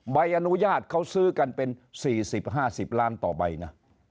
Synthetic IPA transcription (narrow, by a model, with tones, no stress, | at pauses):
ba˧jʔa˧nu˦˥jaː˥˩t̪̚kʰa˥˩wsɯː˥˩ka˧npe˧nsiː˨˩si˨˩p̚ɦaː˥˩si˨˩p̚laː˦˥˩nt̪ɔː˨˩ba̰˧jna˦˥